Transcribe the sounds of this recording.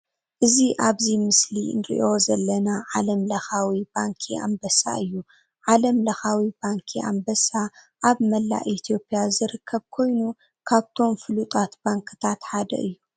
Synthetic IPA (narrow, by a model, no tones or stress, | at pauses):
ʔɨziʔaβzimɨslinɾḭʔo̞zɐlːɐnaʕalɐmlɐxawibaŋkʰia̰mbɐsa̰ɨjːu | ʕalɐmlɐxawibaŋkʰiʔa̰mbɐsa | ʔaβmɐlːa̰ʔʔit̪ʰo̞pʼjazɨɾɨkʰːɐβkʰo̞jnu | kʰaβt̪ʰo̞mfɨlut̪ʼat̪baŋkʰɨt̪ʰat̪ħad̪ɐ̰ʔɨjːu